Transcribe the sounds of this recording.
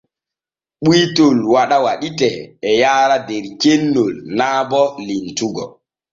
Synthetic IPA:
ɓujtolwaɗawaɗitɛːjaːɾadɛɾkenːolnaːbɔlintuɡɔ̰

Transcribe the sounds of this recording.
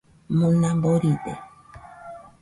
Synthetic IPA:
mõnãmboɾite

